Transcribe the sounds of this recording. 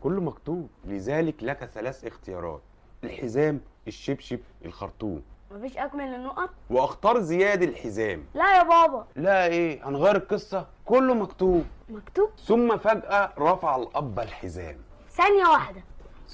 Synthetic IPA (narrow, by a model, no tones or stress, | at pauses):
kolːmækt̪uːb̚lɪzæːlɪklækæθælæːθɪxt̪ejɑ̰ːɾˤɑ̰ːt̪̚ | ʔelħezæːmeʃːebʃibʔelxɑ̰ɾˤt̪ˤṵːmmæfiːʃʔækmelenːoʔɑt̪̚ˤweʔɑxt̪ɑːɾˤzɪjæːd̪ælħezæːmlæjæbɑːbɑlæʔeːhænɣæːɾɪb̚qɨsˤːɑ | kolːmækt̪uːb̚mækt̪uːbθʊmːæfæɡʔæɾˤɑfaʕalʔɑbːælħezæ̰ːm | sænjæwaħd̪æ